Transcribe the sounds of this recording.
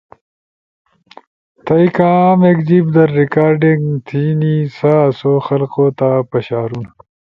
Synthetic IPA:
t̪ɐjkãːmekd͡ʑibd̪ɐɾːikaːɾɖiŋɡt̪ʰiːnisasoxɐlqot̪apɐɕaːɾun

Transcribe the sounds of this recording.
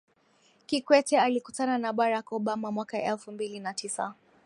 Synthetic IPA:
kikwɛtɛalikutananaɓaɾakɔɓamamwakaʔɛlfumbilinatisa̰

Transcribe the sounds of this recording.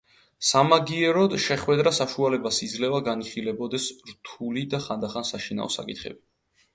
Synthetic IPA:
samaɡiɛɾɔd̪ʃɛχwɛd̪ɾasaʃualɛbasid̪zlɛvaɡaniχilɛbɔd̪ɛsɾt̪ʰulid̪aχand̪aχansaʃina̰ɔsa̰kʼit̪ʰχɛ̰bi

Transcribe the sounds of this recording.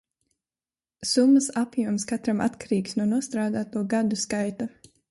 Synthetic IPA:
sumːasapjuɔmskat̪ɾamʔa̰t̪kaɾiːksnuɔnuɔst̪ɾaːd̪aːt̪uɔɡad̪uskajt̪a

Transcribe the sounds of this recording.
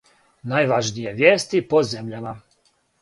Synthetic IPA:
najʋaʒnijeʋjeːst̪ipozemʎama

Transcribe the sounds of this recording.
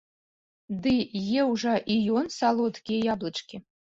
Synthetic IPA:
d̪ɨjɛwʐɐʔijɔnsalˠɔt̪kʲijɛjablˠɨt͡ʂkʲi

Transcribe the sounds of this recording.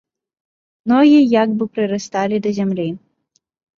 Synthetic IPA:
nɔɣʲijaɡbɨpɾɨɾast̪alʲid̪ɐzʲamlʲi

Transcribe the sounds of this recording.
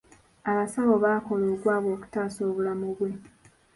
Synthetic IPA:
aβasaβo̞βaːko̞loːɡwaːβoːku̥taːso̞ːβulamuβwe̞

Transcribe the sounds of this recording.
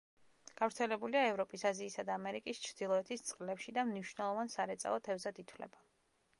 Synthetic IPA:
ɡ̥avɾt̪sʰɛlɛbuliaɛvɾɔpʼisaziːsad̪aːmɛɾikʼist͡ʃʰɾd̪̥ilˠɔɛt̪ʰist̪sʼqʼlɛpʃid̪amniʃvnɛlˠɔvansaɾɛt̪sʼa̰ɔt̪ʰɛvzad̪it̪ʰwlɛ̰ba

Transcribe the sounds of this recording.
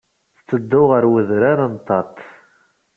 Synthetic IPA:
θt͡sːəd̪ːʊʁəɾwəðɾaɾənt̪ːɑt̪ˤ

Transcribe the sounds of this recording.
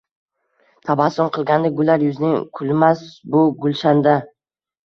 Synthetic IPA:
t̪ʰabasʊɴqʰɨlˠɡʲand̪aɡʊlːaɾjʊznɪŋkʰʊlmasbʊɡʊlˠʃand̪a

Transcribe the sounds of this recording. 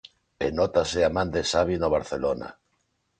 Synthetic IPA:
ḛnɔt̪aseamãnd̪esaβ̞inoβ̞aɾθelona̰

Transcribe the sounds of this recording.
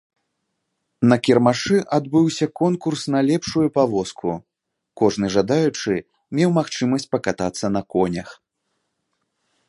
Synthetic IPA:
nɐkʲirmaʂɨʔad̪bɨwsʲɐkɔnkursnɐlʲɛpʂujupavɔskʰu | kɔʐnɨʐad̪ajut͡ʂɨ | mʲɛwmaxt͡ʂɨmɐsʲt͡sʲpɐkat̪at̪sːɐnɐkɔnʲɐx

